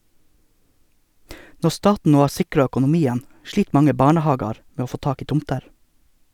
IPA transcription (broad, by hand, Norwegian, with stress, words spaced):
ˈnɔ ˈstɑːtn̩ ˈnoː ˈhɑːɾ ˈsɪkɾɑ œkʊnʊˈmiːən ˈʃɭiːt ˈmɑŋə ˈbɑːɳəˌhɑːɡɑɾ ˈmeː ˈoː ˈfoː ˈtɑːk ˈiː ˈtʊmtəɾ